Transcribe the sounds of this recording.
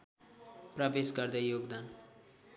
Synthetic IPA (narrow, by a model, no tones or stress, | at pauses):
prʌbesɡʌrd̪ajoɡd̪an